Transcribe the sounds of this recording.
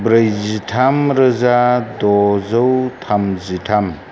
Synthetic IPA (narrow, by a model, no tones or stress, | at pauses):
bɾəjzitʰamɾɐzadɔzɐwtʰamzitʰam